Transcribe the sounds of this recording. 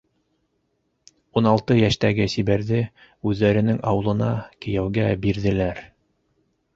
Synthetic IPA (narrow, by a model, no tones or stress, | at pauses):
unɑlˠt̪ɤjæʃt̪æɡɘsiβæɾðɘ | ʉðːæɾɘ̆nɘŋɑ̰wɤ̆lˠɤ̆nɑkɘ̆jæwɡæbiɾðɘ̆læɾ